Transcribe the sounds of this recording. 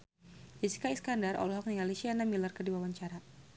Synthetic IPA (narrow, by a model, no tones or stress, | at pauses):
disi̥kaiskandarʔɔ̰lɔɦɔk̚niŋalisianamilərkərdiwawaɲt͡ʃaɾa